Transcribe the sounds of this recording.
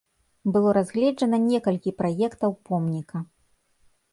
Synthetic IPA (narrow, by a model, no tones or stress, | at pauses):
bɨlˠɔɾazɣlʲɛd͡ʐɐnɐnʲɛkɐlʲkʲipɾajɛkt̪ɐwpɔmnʲikɐ